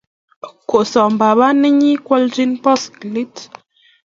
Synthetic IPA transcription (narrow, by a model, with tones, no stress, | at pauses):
ko˨ʔsɔ˨m˨ba˨ba˦nɛ˦ɲi˦kwɔ˦ld͡ʒi˦npɔ˦skli˦t